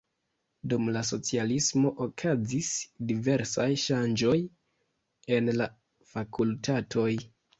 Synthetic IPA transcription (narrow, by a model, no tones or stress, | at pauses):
dumlas̬o̞t͡sialismo̞ʔokʰazisdive̞ɾsajʃand͡ʒo̞j | e̞nla | fakʰultʰatʰo̞j